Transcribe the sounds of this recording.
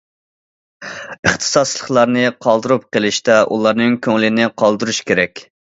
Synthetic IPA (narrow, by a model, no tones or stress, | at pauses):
əχt̪ʰɨ̥sɑst͡ʃlˠəχlˠɑɾnɨqʰɑlˠd̪ɨɾup̚qəlˠɪʃt̪ɛʔṵlˠɑɾnɪŋkʲʰøŋlɪnɪqʰɑlˠd̪uɾuʃkʲeɾɛkʲ